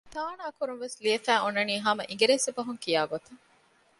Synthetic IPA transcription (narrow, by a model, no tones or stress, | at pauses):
t̪aːnaːkuɾunʋesliɐfæːonːɐniːɦɐmɐʔiŋ̆ɡeɾesebɐɦuŋkijaːɡot̪ɐŋ